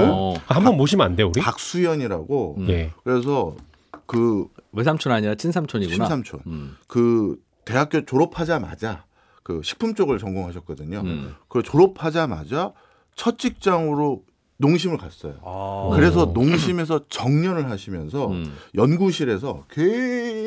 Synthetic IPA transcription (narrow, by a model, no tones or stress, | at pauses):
khambʌnmoɕʰimandeuɾipak̚s͈ujʌɲiɾaɡojekɯɾe̞s̬ʰʌ | kɯwesʰamt͡ɕʰonaɲiɾat͡ɕʰinsʰamt͡ɕʰoɲiɡuasʰamt͡ɕʰo̰nkɯ | te̞ɦak͈jot͡ɕoɾopʰad͡ʑama̰d͡ʑa | kɯɕʰi̥k̚pʰumt͡ɕ͈oɡɯɭt͡ɕʌŋɡoŋɦaɕʰʌt̚k͈ʌdɯɲokɯɾet͡ɕoɾopʰad͡ʑama̰d͡ʑa | t͡ɕʰʌt͡ɕ͈ʰik̚t͡ɕ͈aŋɯɾo | noŋɕ̬ʰimɯɭkas͈ʌ̰jo̰kɯɾe̞s̬ʰʌnoŋɕʰime̞s̬ʰʌt͡ɕʌŋɲʌnɯɭɦaɕʰimjʌnsʰʌjʌnɡuɕʰiɾe̞sʰʌke